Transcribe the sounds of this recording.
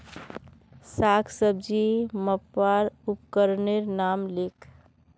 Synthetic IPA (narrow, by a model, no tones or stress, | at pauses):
sakʰsəb̚d͡ʒiməpːaɾupkəɾneɾnamlekʰ